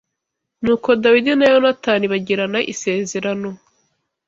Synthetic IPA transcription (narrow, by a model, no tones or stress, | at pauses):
nuːko̞dawidinajonataniβaɟiɾanaʔḭse̞ːze̞ɾano̞